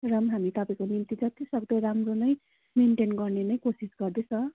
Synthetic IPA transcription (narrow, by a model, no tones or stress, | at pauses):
rʌmɦamit̪ʌpaĩkonint̪id͡zʌt̪isʌɡd̪ʌramronʌj | menʈenɡʌrnenʌjkosisɡʌrd̪et͡sʰʌ̃